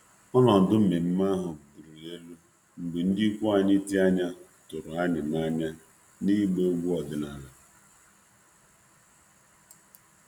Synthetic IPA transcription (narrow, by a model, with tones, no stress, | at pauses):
ɔ˦nɔ˨n̩˨dʊ˦m̩˦me˨m̩˦ma˦ɦʊ˨ɡ͡bu˨ɾu˨e˦lu˦ | ŋ͡m̩˨ɡ͡be˨n̩˦dɪ˦kʷu˦a˨ɲɪ˦ti˦a˦ɲa˦ | tʊ˨ɾʊ˨a˦nɪ˨ma˦ɲa˦ | ni˦ɡ͡be˦ɡʷu˦ɔ˨dɪ˨na˨ɾa˨